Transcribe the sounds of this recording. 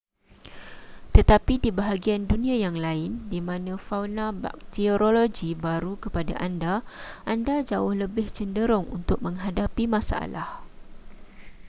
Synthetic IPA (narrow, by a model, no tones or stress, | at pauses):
t̪ət̪apidibaɦaɡiandunĩãjaŋlaɪndimãnãfawnãba̰k̚t̪ioɾoloɡibaɾukəpada̰ʔandaʔandad͡ʒaʊhləbɪht͡ʃəndəɾʊŋṵnt̪ʊk̚mə̃ŋɦadapimãsa̰ʔa̰lah